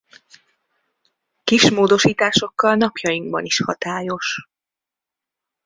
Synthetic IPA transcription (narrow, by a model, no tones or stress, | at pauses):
kiʃmoːd̪o̞ʃiːt̪aːʃo̞kːɒlnɒpjɒjiŋɡ̚bɒniʃhɒt̪aːjo̞ʃ